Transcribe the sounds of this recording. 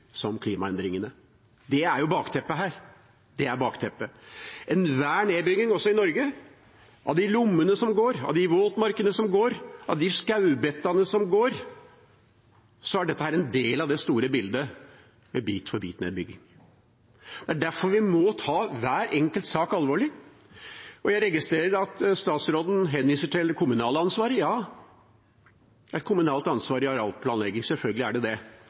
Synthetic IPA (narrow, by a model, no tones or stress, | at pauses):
sɔmkʰliːmɑɛnd̪ɾɪŋənə | d̪ɛæɾjʊbɑːkt̪ʰɛpːəɦæːɾ | d̪̥ɛæɾbɑːkt̪ʰɛpːəɛnʋæːɳeːd̪bʏɡɪŋɔsɔɪnɔɾɡə | ʔɑ̰ʋd̪ɪlʊmːənəsɔmɡoːɾɑ̰ʋd̪ɪʋoːt̪mɑɾkənəsɔmɡoːɾʔɑʋd̪ɪskɑʉbɛt̪ːɑnəsɔmɡoːɾ | sɔæɖɛt̪ːəhæːɾɛnd̪eːlɑʋd̪ɛst̪uːɾəbɪld̪ə | mɛbiːt̪fɔɾbḭːt̪nḛːd̪bʏɡːɪ̰ŋ | d̪̥ɛæɖæɾfɔɾʋɪmɔt̪ʰɑːʋæːɾɛŋkəlt̪sɑːkɑlʋoːɭɪ | ʔɔjæɪɾɛɡɪst̪ɾeːɾəɾɑt̪st̪ɑːt̪sɾoːd̪n̩ɦɛnʋiːsəʈʰɪlkʰʊmʉnɑːləɑnsʋɑːɾjɑː | ɛt̪̚kʰʊmʉnɑːlt̪ɑnsʋɑːɾɪɑɾɑlpʰlɑːnlɛɡɪŋsɛlfœlɡəlɪæɖɛd̪ɛ